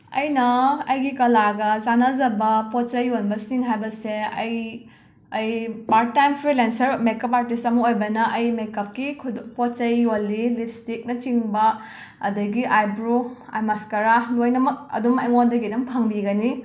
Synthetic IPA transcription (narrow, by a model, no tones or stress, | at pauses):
ɐ̰jnɐɐjɡikɐlaɡɐzanazɐbɐpot̚t͡ʃɐjːonbɐsiŋɦajbɐseɐj | ɐjpaɾ̚tːajmpʰɾilensɐɾmekɐpaɾtistɐmɐojbɐnɐʔɐjmekɐp̚kikʰpot̚t͡ʃɐjːolːilip̚ʰstik̚nɐt͡ʃiŋbɐ | ɐdɐɡiʔajbɾua̰jmaskɐɾalojnɐmɐk̚ɐ̰dumɐjŋondɐɡidɐmpʰɐŋbiɡɐni